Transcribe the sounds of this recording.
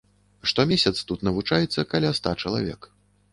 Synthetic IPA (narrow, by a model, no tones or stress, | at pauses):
ʂt̪ɔmʲesʲɐt̪st̪ut̪nɐvut͡ʂajɛt̪sːɐkalʲast̪at͡ʂɐlˠa̰vʲɛ̰k